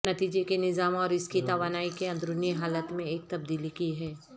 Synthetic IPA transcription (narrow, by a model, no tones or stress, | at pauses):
nɐt̪iːd͡ʒekenɪzaːmɔːɾɪskit̪aːʋaːnaːikeɐ̃nd̪ɾʊneɦaːlət̪mẽeːk̚t̪ɐb̚d̪iːlikiɦɛː